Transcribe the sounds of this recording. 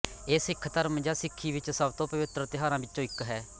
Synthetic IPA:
eːsɪkʰt̪əɾəmd͡ʒaːsɪkʰːiːʋɪt͡ʃsəbt̪õːpəʋɪt̪ɾət̪ɪɦaːɾãːbɪt͡ʃːʃõːɪkɦɛː

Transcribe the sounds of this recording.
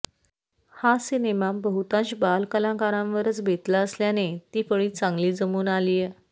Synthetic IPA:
hasinemabəɦut̪ãɕbalkəlãkaɾãmʋəɾət͡sbʱet̪laəsljanet̪iːpəɭiːt͡sãŋɡliːd͡zəmuːnalije

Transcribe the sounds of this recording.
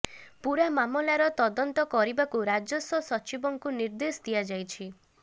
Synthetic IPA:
puɾamamɔlaɾɔt̪ɔd̪ɔnt̪ɔkɔɾibakuɾad͡ʒɔsɔsɔt͡ʃibɔŋkuniɾd̪esd̪ijad͡ʒajt͡ʃʰi

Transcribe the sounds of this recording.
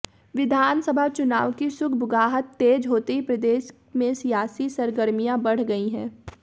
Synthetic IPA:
ʋɪd̪ʱaːnsəbʱat͡ʃʊna̰ːʋkisʊkʰbʊɡaːɦət̪ːeːd͡ʒɦoːt̪eɦipɾɐd̪eːʃ | mẽsijaːsisɐɾɡəɾmijãbɐɽ̤ɡɐiɦɛ̰̃ː

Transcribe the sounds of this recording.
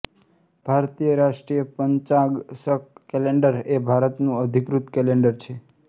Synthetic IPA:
b̥ʱaɾt̪ijəɾaʃʈɾijəpəɲt͡ʃãɡsəkkɛleɳɖəɾebʱaɾət̪nũəd̪ʱikɾut̪kɛleɳɖəɾt͡ʃʰe

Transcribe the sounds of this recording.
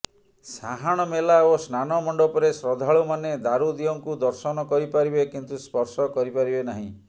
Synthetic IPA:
saɦaɽ̃ɔmelaosnanɔmɔɳɖɔpɔɾesɾɔd̪ʱaɭumaned̪aɾud̪iɔŋkud̪ɔɾsɔnɔkɔɾipaɾibekint̪uspɔɾsɔkɔɾipaɾibenaɦḭ̃

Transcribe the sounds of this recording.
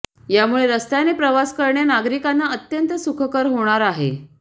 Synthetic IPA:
jamuɭeɾəst̪anepɾəʋaskəɾɳjanaɡɾikanːaət̪jənt̪əsukʰəkəɾɦoɽ̃aɾaɦḛ

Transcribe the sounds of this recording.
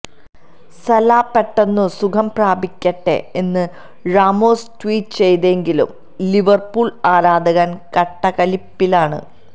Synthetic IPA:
sɐlaːpːeʈːɐnːusukʰɐmpraːbikʲːɐʈːe̞̰enːɨ | raːmoːstwiːʈːt͡ɕe̞jt̪eŋɡilṵm | liʋɐrpuːɭaːɾaːd̪ʱɐɣaːnkɐʈːɐkɐlipːilaːɳɨ̰

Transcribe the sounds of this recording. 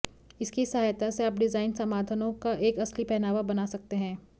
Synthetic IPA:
ɪskisɐɦaːjt̪aseaːp̚ɖɪzaːɪnsɐmaːd̪ʱənõkaʔeːkɐslipɛɦnaːʋabɐnaːsɐk̚t̪eɦɛ̃ː

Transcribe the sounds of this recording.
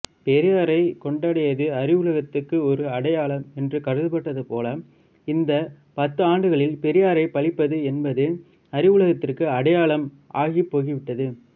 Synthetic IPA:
pɛɾɪjaːɾɐɪkɔɳɖaːɽɐjɐðɯɐɾɪʋʊɭɐɣɐt̪ːɯkːɯɔɾɯɐɽɐjaːɭɐmɛndrɯkɐɾɯðɯpɐʈːɐðɯpoːlɐm | ɪnd̪ɐ | pɐt̪ːɯaːɳɖɯɣɐɭɪlpɛɾɪjaːɾɐɪpɐɭɪpːɐðɯɛnbɐðɯ | ɐɾɪʋɯɭɐɣɐt̪ːɪrkɯɐɽɐjaːɭɐm | ʔaːɣipːoːɣiʋɪʈːɐðɯ

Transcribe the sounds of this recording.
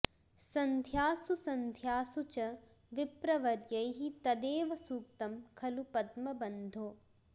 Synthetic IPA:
sɐnd̪ʱjaːsusɐnd̪ʱjaːsut͡ʃɐ | ʋipɾɐʋɐɾjɐjɦit̪ɐd̪eːʋɐsuːk̚t̪ɐmkʰɐlupɐd̪mɐbɐnd̪ʱoː

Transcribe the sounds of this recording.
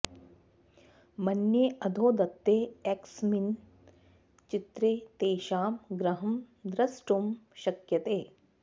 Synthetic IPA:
mɐnjeːɐd̪ʱoːd̪ɐt̪ːeːɛksmin | t͡ʃit̪ɾeːt̪eːʃaːmɡɾɐɦɐmd̪ɾɐsʈumʃɐkjɐt̪eː

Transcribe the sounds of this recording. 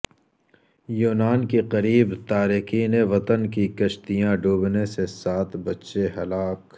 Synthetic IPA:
juːnaːnkiqɐɾiːbt̪aːɾikiːneʋɐt̪ənkikɐʃt̪ijãɖʱuːbnesesaːt̪ʰbɐtːʃeɦɐlaːk

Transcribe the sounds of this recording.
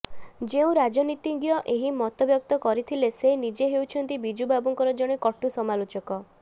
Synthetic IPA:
d͡ʒeũɾad͡ʒɔnit̪iŋɡjɔʔeɦimɔt̪ɔbjɔk̚t̪ɔkɔɾit̪ʰilesenid͡ʒeɦewt͡ʃʰɔnt̪ibid͡ʒubabɔŋkɔɾɔd͡ʒɔɽ̃ekɔʈusɔmalot͡ʃɔkɔ

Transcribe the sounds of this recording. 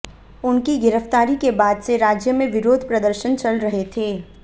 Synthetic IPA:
ʊnkiɡɪɾəft̪aːɾikebaːd̪seɾaːd͡ʒjəmẽʋɪɾoːd̪ʱpɾɐd̪əɾʃənt͡ʃɐlɾɐɦet̪ʰeː

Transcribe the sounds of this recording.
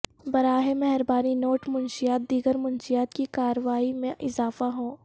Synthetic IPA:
bɐɾaːɦemɛɦɛɾbaːninoːʈmʊnʃijaːt̪̚d̪iːɡəɾmʊ̃nʃijaːt̪kikaːɾəʋaːimẽʔɪzaːfaɦõː

